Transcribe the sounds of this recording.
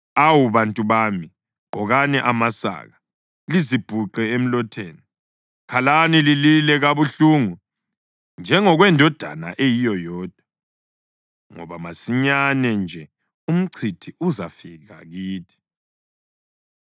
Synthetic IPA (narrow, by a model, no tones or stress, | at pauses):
awuβantʼuβami | ŋ͡ǃʱɔɣanɛʔamasa̰ːɣa | lizib̥ʱuǃɛem̩lɔtʰeːni | kʰalanilililɛɣaβuɬuːŋu | nd͡ʒʱɛŋɔɣwɛndʱɔd̥ʱa̰na̰ʔejijɔjɔːd̥ʱwa | ŋɔ̰βamasiɲanɛnd͡ʒʱɛ | um̩ǀʰitʰiuzafiɣa̰ɣiːtʰi̥